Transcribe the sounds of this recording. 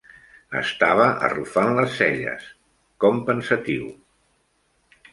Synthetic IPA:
ə̰st̪aβ̞əʔə̰rufanləsːɛʎə̰s | kɔmpənsət̪iw

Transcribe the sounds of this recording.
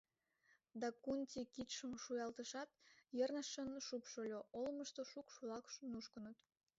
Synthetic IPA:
d̪ɑkuntʲikit̪ʃəmʃujɑlt̪əʃɑt̪̚jərnəʃənʃupʃolʲoʔolməʃt̪oʃukʃulɑkʃənuʃkənət̪

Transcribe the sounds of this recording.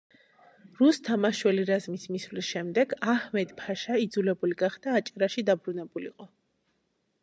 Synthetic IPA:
ɾust̪ʰamaʃwɛliɾazmismisvlisʃɛmd̪ɛɡahmɛd̪pʰaʃaid̪zulɛbuliɡaχd̪̥aːt͡ʃʼaɾaʃid̪abɾunɛbulḭqʼɔ

